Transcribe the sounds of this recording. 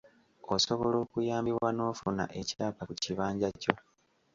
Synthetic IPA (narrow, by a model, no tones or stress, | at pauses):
osoβo̞lo̞ːkujaːmbiβwano̞ːfuna̰ʔe̞caːkakuciβaːɲɟaco̞